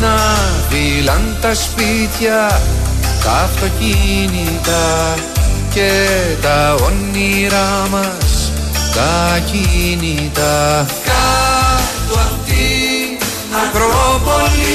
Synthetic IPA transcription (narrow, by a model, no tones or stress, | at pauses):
nɐvilɐnt̪ɐspit̪çɐ | t̪ɐːft̪o̞cini | t̪ɐ | cet̪ɐonːiɾɐmɐs | t̪ɐcinit̪ɐ | ka | want̪i | ɐpɾopol